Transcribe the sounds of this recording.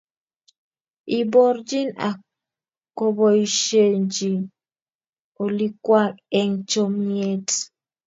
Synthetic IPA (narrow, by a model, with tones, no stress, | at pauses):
i˨bɔ˦ɾd͡ʒi˦na̰˨ | ko˦bɔ˨i˨ʃe˦ɲd͡ʒi˨ | o˨li˦kwa˦k̚ɛ˦ŋt͡ʃo˦mje˦t